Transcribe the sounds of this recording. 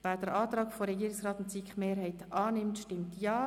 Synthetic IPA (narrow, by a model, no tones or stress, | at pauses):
væːd̥ɛɾʔɑːtɾɑːkfoɾɛɡiːɾɪksrɑːt̪ʊntt͡sikχmeːɾhaɪtɑːnɪmtʃtɪmtjaː